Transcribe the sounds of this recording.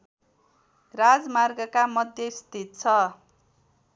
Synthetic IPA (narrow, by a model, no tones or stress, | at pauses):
rad͡zmarɡʌkamʌd̪ʱjʌist̪ʰit̪̚t͡sʰʌ